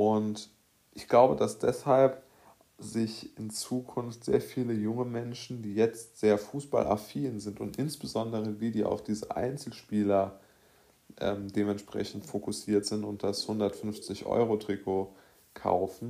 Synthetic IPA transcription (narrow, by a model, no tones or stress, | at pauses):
ʔʊnt | ʔɪçɡ̥laʊbədasd̥ɛshalp | zɪçɪnt͡suːkʰʊnftz̥ḛːɐfiːləjʊŋəmɛnʃn̩diːjɛt͡stz̥eːɐfuːsb̥a̰lʔa̰ɐfiːnzɪntʊntʔɪnsb̥əzɔndəʁ̞ədiːdiːʔa̰ʊfd̥iːzəʔa̰ɪnt͡sl̩ʃpiːlɐ | ʔɛ̰ːmdeːmɛntʃpʁ̥ɛ̰çn̩tfokʊsiːɐtz̥ɪntʊnt̚d̥ashʊndɐtfʏnft͡sɪçʔɔ̰ʏʁotʁ̥ikʰoː | kʰa̰ʊfn̩